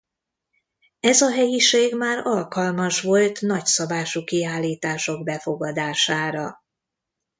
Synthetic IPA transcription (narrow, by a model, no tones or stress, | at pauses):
ɛzɒɦɛjiʃeːɡmaːɾɒlkɒlmɒʃʋo̞lt̪nɒcsɒbaːʃukiaːlːiːt̪aːʃo̞ɡbɛfo̞ɡɒd̪aːʃaːɾɒ